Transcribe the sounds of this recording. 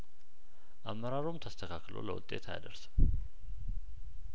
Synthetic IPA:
ʔamːəɾaɾomt̪ʰəst̪ʰəkʰakːlo̞̰lə̰wʊ̰t̪ʼːe̞t̪ʰa̰ja̰d̪əɾsə̥m

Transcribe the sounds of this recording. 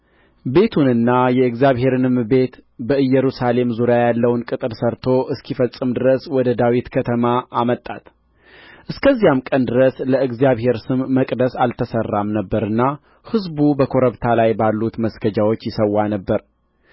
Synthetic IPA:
be̞t̪ʰunɨnːajɛɨɡzijaβhe̞ɾɨnɨmbe̞t̪bəɨjɛɾusale̞mzuɾjajalːəwnkʼɨt̪ʼɨɾsəɾt̪ʰo̞ʔɨskʰifəsʼɨmd̪ɨɾəswɔd̪əd̪awit̪kʰət̪ʰəmaʔːmət̪ʼːa̰t̪ | ʔɨskʰəzːijamkʼənd̪ɨɾəsləɨɡzijaβhe̞ɾsɨmːəkʼd̪əsalt̪ʰəsərːamnəbːəɾɨnːa | hɨzbubəkʰo̞ɾəβt̪ʰalajbalːut̪məsɡəd͡ʒawo̞t͡ʃːjɪsəwːanəbːəɾ

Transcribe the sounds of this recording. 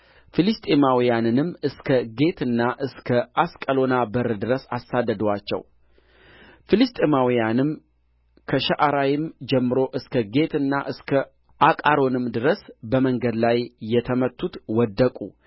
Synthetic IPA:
filist̪ʼemawijanɨnɨmːɨskʰəɡe̞t̪ʰɨnːaʔɨskʰəʔaskʼəlo̞nabəɾd̪ɨɾəsasːad̪ːəd̪əwat͡ʃːɛ̰w | filist̪ʼemawijanɨm | kʰəʃaʔaɾajɪmd͡ʒɛmːɨɾo̞ʔɨskʰəɡe̞t̪ʰɨnːaʔɨskʰə | ʔakʼaɾo̞nɨmd̪ɨɾəsbəməŋɡəd̪lajːɛt̪ʰəmət̪ʰːut̪wɔd̪ːəkʼṵ

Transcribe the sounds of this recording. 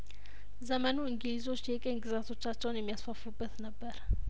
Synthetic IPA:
zəmənuɨŋɡɨlizo̞t͡ʃːjɛkʼenɡɨzat̪ʰo̞t͡ʃːat͡ʃːɛwnjɛmːijasfəfubːət̪nəbːəɾ

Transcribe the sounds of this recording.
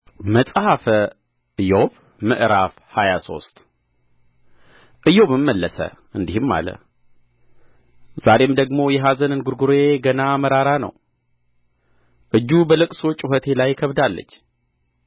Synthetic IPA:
məsʼhafə | ʔɨjoβ | mɨʔɾaf | hajaso̞̰st̪ʼ | ʔɨjo̞βɨmːəlːəsə̰ | ɨnd̪ihɨmːa̰lə̰ | z̥aɾe̞md̪əɡmo̞jɛɦazənɨnɡuɾɡuɾeɡənaməɾaɾanə̰w | ʔɨd͡ʒːubəlɨkʼsot͡ʃʼɪɦət̪ʰe̞lajkʰəβd̪alːə̰t͡ʃː

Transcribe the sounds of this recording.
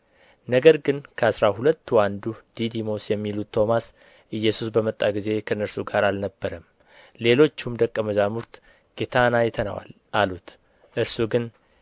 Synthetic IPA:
nəɡəɾɡɨnkʰəasɾahulət̪ːwand̪ud̪̥id̪imo̞sjɛmːilut̪ʰːo̞mas | ʔɨjːɛsusbəmət̪ʼːaɡize̞kʰəɨnːəɾsuɡaɾalnəbːəɾəm | le̞lo̞t͡ʃːumd̪əkʼːəməzamuɾt̪ | ɡ̥et̪ʰanajɛt̪ʰəna̰wa̰l | ʔalut̪ | ʔɨɾsuɡɨn

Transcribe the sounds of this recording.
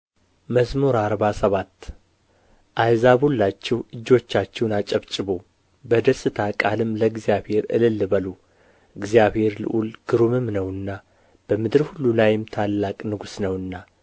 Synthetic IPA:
məzmuɾaɾbasəβat̪ː | ʔajzaβulːat͡ʃːɛwɨd͡ʒːo̞t͡ʃːat͡ʃːɛwnat͡ʃʼəβt͡ʃʼɨbo | bəd̪əsʼɨt̪ʰakʼalɨmləɡzijaβhe̞ɾɨ̰lɨlːɨbəlu | ɨɡzjaβhe̞ɾlɨ̰ʔulɡ̥ɨɾumɨmnəwɨnːa | b̥əmɨd̪ɨɾhulːulajɪmt̪ʰalːakʼnɨɡusnəwɨnːa

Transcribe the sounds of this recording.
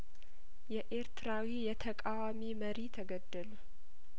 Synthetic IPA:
jɛʔe̞ɾt̪ʰɨɾawijɛt̪ʰəkʼawamiməɾit̪ʰəɡəd̪ːəlu

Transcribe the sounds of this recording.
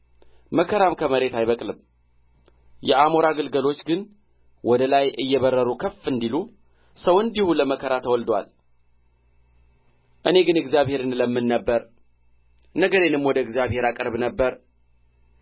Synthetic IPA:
məkʰəɾamkʰəməɾe̞t̪ajβəkʼlɨm | jɛʔamoɾaɡɨlɡəlo̞t͡ʃːɡɨn | wɔd̪əlajʔɨjːɛβərːəɾukʰəfːɨnd̪ilu | səwɨnd̪ihuləməkʰəɾat̪ʰəwɔld̪wa̰l | ʔɨne̞ɡɨnɨɡzjaβhe̞ɾɨnləmːɨnːəbːəɾ | nəɡəɾe̞nɨmwɔd̪əɨɡzjaβhe̞ɾakʼɨɾβnəbːəɾ

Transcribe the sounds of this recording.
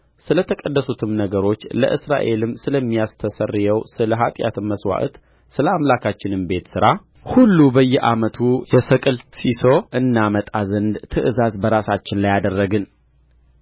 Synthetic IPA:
sɨlət̪ʰəkʼədːəsut̪ʰɨmnəɡəɾo̞t͡ʃːlə̰ʔɨsɾa̰ʔe̞lɨmsɨləmːijast̪ʰəsərːjɛwsɨləɦat̪ʼja̰t̪ɨmːəswa̰ʔɨ̰t̪ | sɨləamlakʰat͡ʃːɪnɨmbe̞t̪sɨɾa | hulːubəjːɛʔamət̪ʰujɛsəkʼɨlsiso̞ʔɨnːamət̪ʼazənd̪t̪ʰɨʔɨzazbəɾasat͡ʃːɪnlajad̪ərːəɡɨn

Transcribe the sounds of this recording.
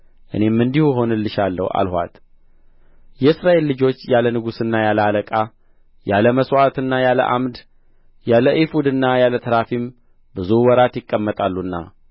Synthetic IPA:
ʔɨ̰ne̞mːɨnd̪ihuɦo̞nɨlːɨʃalːə̰hwʔa̰lhʷa̰t̪ | jɛɨsɾaʔe̞lːɨd͡ʒo̞t͡ʃːjalənɨɡusɨnːajalaləkʼa | jaləməswat̪ɨnːajalə̰ʔa̰md̪ | jaləʔifud̪ɨnːajalət̪ʰəɾafim | bɨzuwɔɾat̪jɪkʼːəmːət̪ʼalːunːa̰

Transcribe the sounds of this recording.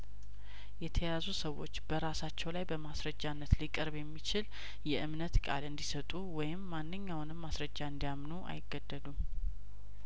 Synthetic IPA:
jɛt̪ʰəjazusəwo̞t͡ʃːbəɾasat͡ʃːɛwlajbəmasɾəd͡ʒːanːət̪likʼəɾbjɛmːit͡ʃɪl | jɛʔɨmnət̪kʼa̰lɨnd̪isət̪ʼuwɔjɪmːanːɨɲːawʊnɨmːasɾəd͡ʒːaɨnd̪ijamnuʔa̰jɪɡːəd̪ːəlum

